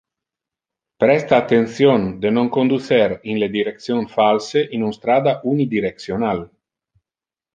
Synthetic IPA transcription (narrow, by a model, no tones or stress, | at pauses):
pɾɛst̪aːt̪ːensjond̪enoŋkond̪uθeɾinled̪iɾek̪̚sjonfalseʔinunst̪ɾaːd̪aʔunid̪iɾek̚sjonal